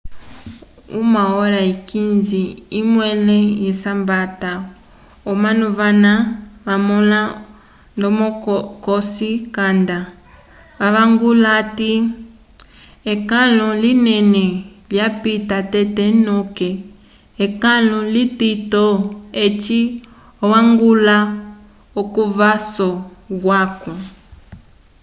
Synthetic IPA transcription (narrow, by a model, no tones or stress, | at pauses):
ṵmaɔɾaikinziimwɛlɛjɛsambata | ɔmanuβanaβamɔla | ndɔmɔkɔsikanda | βaβaŋɡulati | ekalɔlinɛnɛljapitatɛtɛnɔkɛ | ekalɔlititɔet͡ʃi | ɔwaŋɡula | okuvasɔɣwakɔ